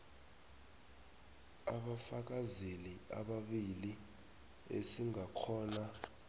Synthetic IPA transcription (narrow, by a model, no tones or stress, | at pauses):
a̰ɓafak̬azelia̰ɓaɓili | ḛsiŋakʰɔːna